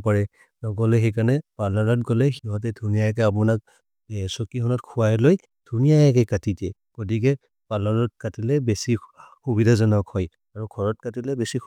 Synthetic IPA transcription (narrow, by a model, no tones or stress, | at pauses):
paɹɛ | nɔɡɔlɛxɛkanɛpalaɹɔtɡɔlɛxiɦɔt̬ɛdʱunijajak̬ɛap̬unak̚ | sɔkikʰɔnɔtkʰʊwajloj | d̥ʱunijajakɛkatitɛ | kotik̬ɛ | palaɹɔt̚katilɛbesixubidʱazɔnɔkʰɔj | aɹuɡʰʱɔɹɔt̚katilɛbesi